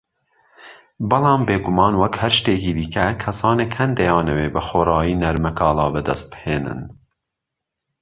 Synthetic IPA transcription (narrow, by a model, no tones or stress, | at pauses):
bɨlɑːmbeːɡumɑːnwɐkhæɾʃt̪eːkiːd̪ikɛkʰɐsɑːnekhɛnd̪ɛjɑːnɛweːbɨxoːɾɑːjiːnɐɾmɛkʰɑːlɑːbɨd̪ɛst̪̚bheːnɨ̰n